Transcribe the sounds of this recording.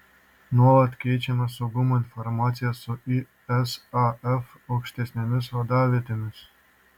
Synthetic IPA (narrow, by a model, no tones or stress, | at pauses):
nuɑlɑt̪kʲet͡ɕemesoɡomoinformɑt͡sʲijasoʔi | ɛsɑɛf | okʃt̪ʲesʲnʲemʲesvɑd̪ɑβʲet̪emʲes